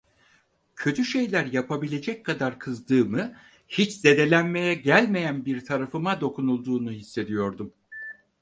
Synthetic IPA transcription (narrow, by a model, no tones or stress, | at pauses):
cʰø̞t̪ʰyʃe̞jlʲæɾjapʰabilʲe̞d͡ʒɛc̚ʲkʰːad̪aɾkʰɯzd̪ɯːmɯ | hit͡ʃd̪e̞d̪e̞lʲænme̞jɛɟælʲme̞jænbiɾt̪ʰaɾafɯmad̪o̞kʰunulˠd̪uːnuhisːe̞d̪ijo̞ɾd̪um